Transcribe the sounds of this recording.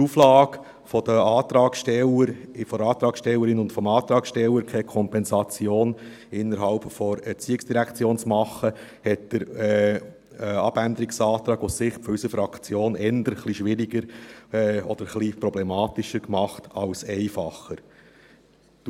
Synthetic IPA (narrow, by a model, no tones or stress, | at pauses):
tuflɑːɡ | fɔd̪əɑːt̪ɾɑːkʃtɛləɾfɔɑːt̪ɾɑːkʃtɛlːəɾɪnʊntfɔmɑːt̪ɾɑːkʃtɛlːəɾkʰɛkʰɔmpɛnsɑt͡sjoːn | ɪnːəɾɦɑlpfɔɾɛɾt͡siːɪksd̥iɾækt͡sjoːnt͡smɑχːəhɛt̚d̥əɾ | ɑb̥ænd̪əɾɪksɑːt̪ɾɑːɡossɪχfɔysəfɾɑkʰt͡sjoːnɛnd̪əɾχliʃʋɪɾiɡəɾɛɔ̰d̥̪əɾχlipɾɔblɛmɑːt̪ɪʃəɾkmɑχtɑlsɛɪfɑχəɾ